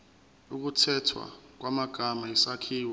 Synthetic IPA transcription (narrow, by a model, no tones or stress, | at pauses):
uk̬utʰɛtʰwa̰k̬wamaɡ̥ʱamaisakʰiːwa